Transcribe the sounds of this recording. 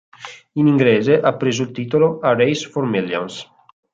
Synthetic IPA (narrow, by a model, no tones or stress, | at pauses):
iniŋɡleːzeʔapːɾeːzoilt̪iːt̪oloarejsformilja̰ns